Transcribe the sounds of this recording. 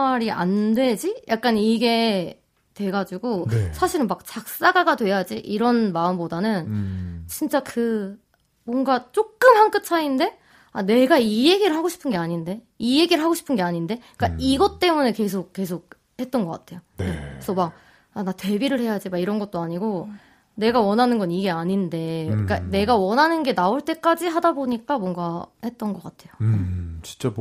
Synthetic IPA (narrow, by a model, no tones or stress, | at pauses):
aɾiʔa̰ndwe̞d͡ʑijʔak̚k͈aniɡe̞ | twe̞ɡad͡ʑuɡosʰaɕʰiɾɯnmak̚t͡ɕak̚s͈aɡaɡadwe̞jad͡ʑiʔiɾʌnmaɯmbodanɯnt͡ɕint͡ɕ͈akɯ | mwʌŋɡat͡ɕ͈ok̚k͈ɯmhank͈ɯt͡ɕʰainde̞ | ane̞ɡaije̞ɡiɾɯɭɦaɡoɕʰi̥pʰɯnɡe̞aɲinde̞ | ije̞ɡiɾɯɭɦaɡoɕʰi̥pʰɯnɡe̞aɲinde̞ | k͈aiɡʌt͈e̞mune̞ke̞s̬ʰok̚k͈e̞sʰok̚ | he̞t͈̚ʌnɡʌk͈atʰe̞joeesʰʌmak̚ | anate̞biɾɯɭhe̞jad͡ʑimaiɾʌnɡʌt̚t͈oaɲiɡo | ne̞ɡawʌnɦanɯnɡʌniɡe̞aɲinde̞ik͈ane̞ɡawʌnɦanɯnɡe̞naoɭt͈e̞k͈ad͡ʑiɦadaboɲik͈amwʌŋɡahe̞t̚t͈ʌnɡʌk͈atʰe̞jot͡ɕi̥nt͡ɕ͈a